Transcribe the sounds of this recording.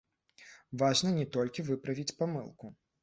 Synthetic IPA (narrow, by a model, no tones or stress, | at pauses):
vaʐnɐnʲɛt̪ɔlʲkʲivɨpɾɐvʲit͡sʲpamɨ̰lˠku